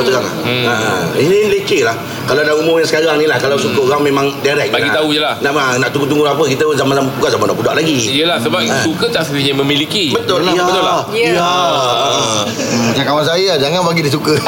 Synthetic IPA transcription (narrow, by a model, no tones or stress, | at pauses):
t̪uɣaŋla̰ainimlet͡ʃelah | kalawnaʔumʊmjaŋsəkaɣaŋnilahkalawsukəɣaŋmẽmãŋdaɾɛk̚baɡit̪aujəlahnaʔanaʔt̪uŋɡut̪̬uŋɡulaapəkit̪əzamanambukazamandaʔpuda̰ʔlaɡiijəlahsəbap̚iukət̪asit̪iaməmilikibət̪ʊlaabət̪ʊlaja | t͡ʃakawansaəad͡ʒaŋanbaɡidis̬ukə